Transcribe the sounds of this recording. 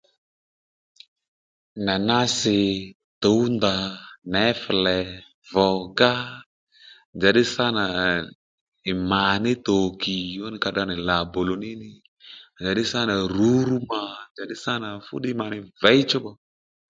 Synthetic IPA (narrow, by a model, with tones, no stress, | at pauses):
na˨na˦sɪ˨ | to˨˦u˦nd̪a˨nɛ˨˦fɛ˨lɛ˨ | vɔ˨ɡa˦ | nd͡ʒa˨ɗɪ˦sa˦na˨ | ɪ˨ma˨nɪ˦t̪o˨ki˨ɔ˦nɪ˦ka˧ɗa˧nɛ˨la˨bo˨lo˨nɪ˦nɪ˦˨ | nd͡ʒa˨ɗɪ˦sa˦na˨ɾu˨˦ɾu˦ma˨nd͡ʒa˨ɗɪ˦sa˦na˨fʊ̰˦ɗɪ˦ma˨nɪ˦vɛ˨˦i˦t͡ʃu˦ɓɔ˦